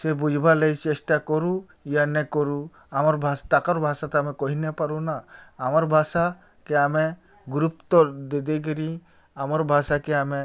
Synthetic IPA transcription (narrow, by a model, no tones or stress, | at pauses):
sebud͡ʒʱbaləjt͡ʃesʈakɔɾu | janɛkɔɾu | amɔɾbʱast̪akɔɾbʱasat̪amɛkɔɦinepaɾunaːmɔɾbʱasa | keame | ɡɾupt̪ɔd̪ed̪ɛk̬əɾi | amɔɾbʱasakeame